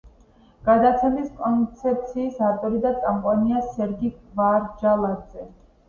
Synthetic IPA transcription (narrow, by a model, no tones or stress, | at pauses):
ɡ̥ad̪at̪sʰɛmiskʼɔnt̪sʰɛp̚t̪sʰiːsaɾt̪ʼɔɾid̪at̪sʼampʼaniasɛɾɡiɡvaɾd͡ʒalˠad̪zɛ